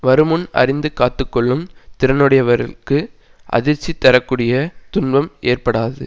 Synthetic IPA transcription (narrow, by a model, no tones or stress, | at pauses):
ʋɐɾɯmɯnɐ̰rɪnd̪ɯkaːt̪ːɯkːɔɭːɯmt̪ɪɾɐnɯɽɐjɐʋɐɾɪ̰kɯ | ʔɐ̰ðɪɾt͡ʃːit̪ːɐɾɐkːuːɽɪjɐt̪ʊnbɐmeːrpɐɽaːðɯ